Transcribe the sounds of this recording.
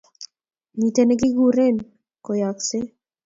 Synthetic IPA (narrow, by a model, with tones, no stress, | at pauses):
ɲi˨t̪enɛɡɪ˦ɡuɾe˦n | ko˨jakse˦